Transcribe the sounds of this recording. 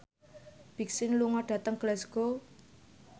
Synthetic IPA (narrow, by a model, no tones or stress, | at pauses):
b̥i̤k̚sɪnluŋɔɖ̥ä̤t̪əŋɡ̥lɛsɡ̥o